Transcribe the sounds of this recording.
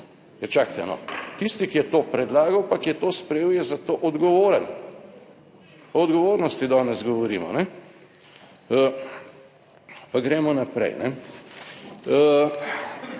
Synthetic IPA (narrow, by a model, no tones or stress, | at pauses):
jɛt͡ʃaːkt̪ɛ̰nɔ̰t̪ist̪ikijɛt̪oːpɾɛd̪laːɡɐwpakijɛt̪oːspɾɛjeːwjɛzat̪oːʔɔd̪ɡɔʋoːɾən | ɔɔd̪ɡɔʋoːɾnɔst̪id̪aːnɛzɡɔʋɔɾḭːmɔ̰nɛ | ə | paɡɾeːmɔnapɾɛ̰jnɛ